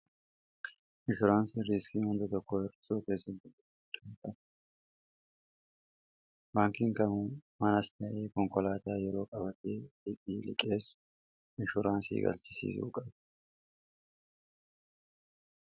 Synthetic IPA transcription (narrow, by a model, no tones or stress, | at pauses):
mɪʃʊɾaːnsiɾiskihʊnd̪ɐt̪ɔkːoːɛɾɪ̥suːkeːsɪnd̪ʊdʊ | t̪ːɐnt̪ɐ | baːŋkɪŋkɐmuːmɐnɐst̪ɐʔeːkɔŋkɔlaːt̪aːjɛɾo̞ːkʼɐbɐt̪eːdɪkʼiːlɪ̰kʼe̞ːsʊ̥ | mɪʃʊɾaːnsḭːɡɐ̰lt͡ʃɪsḭːsṵːkʼɐb